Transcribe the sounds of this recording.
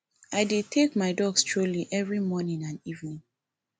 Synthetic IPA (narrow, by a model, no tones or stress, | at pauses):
aɪdid̚tʰekmaɪdɔɡstʰɹuliʔɛvɹimɔnĩŋãnivnĩŋ